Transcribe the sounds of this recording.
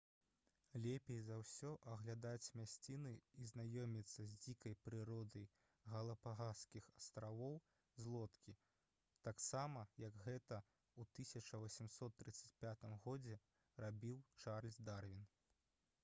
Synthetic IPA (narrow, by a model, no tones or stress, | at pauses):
lʲɛpʲejzawsʲɔʔɐɣlʲad̪at͡sʲmʲasʲt͡sʲinɨiznajɔmʲit̪sːɐzʲd͡zʲikɐjpɾɨɾɔd̪ɐj | ɣɐlˠɐpaɣaskʲixɐst̪ɾavɔw | zlˠɔt̪kʲi | t̪aksamɐjɐɡɣɛt̪ɐ | ut̪ɨsʲɐt͡ʂɐvɐsʲimsɔt̪ːɾɨt̪sɐt͡sʲpʲat̪ɨmɣɔd͡zʲɛ | rabʲiwt͡ʂarlʲzʲd̪arvʲin